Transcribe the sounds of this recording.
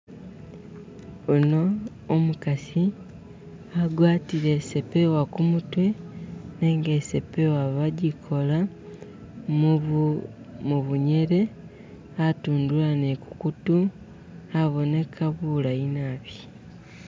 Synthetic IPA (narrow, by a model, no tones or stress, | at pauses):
uno̞ː | mukasi | aɡwaːtiɾe̞se̞pe̞wakumutwe̞neŋɡe̞se̞pe̞waβaɟikʰo̞la | muβuɲe̞ɾe̞ | atuːndulaneku̥kutu | aβo̞ne̞kʰaβulainaːβji